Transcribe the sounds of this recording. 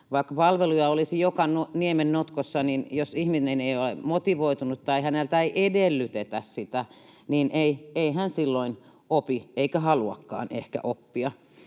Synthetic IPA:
ʋɑikːɑpɑlʋelujɑolisijokɑnuniemennut̪kosːɑninjosihmineneiolḛmot̪iʋoit̪unut̪t̪ɑihænelt̪æiʔedelːyt̪et̪æssit̪æ | niːnʔeieihænsilːoin | opieikæhɑluɑ̰kːɑ̰ːnḛhkæ̰ʔopːiɑ

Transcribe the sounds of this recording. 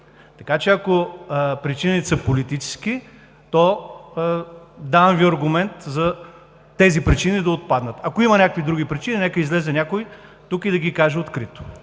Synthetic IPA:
t̪ɐkat͡ʃɛɐkopɾit͡ʃinit̪səpolit̪it͡ʃɛ̥ski | t̪ɔ | d̪avɐmviɐɾɡʊmɛnt̪zɐ | t̪ɛzipɾit͡ʃinid̪ɐot̪̚pad̪nət̪ɐkoimɐnʲakəkvid̪ɾuɡʲipɾit͡ʃininɛkəizlɛzɛnʲakʊjt̪ukid̪ɐɡikaʒɛot̪kɾit̪o̥

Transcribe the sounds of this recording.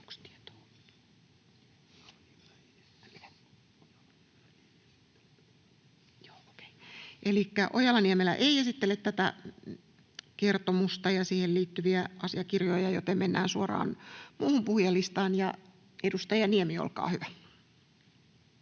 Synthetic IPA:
kst̪iet̪o̥ː | jo̥ːke̥iʔelikːæ̰ʔojɑlːɑnieæmelːæ̰ʔeiesit̪ːelːet̪t̪æt̪æ̰ | kert̪omust̪ɑjɑsiːhelliːt̪ːyʋiæʔɑsiɑkirjojɑjo̰t̪emmenːæ̰ːnsuorɑ̰ːnmuːhumpuhjɑlːist̪ɑːnjɑ | edust̪ɑjɑniemio̰lkɑ̰ːhyʋæ

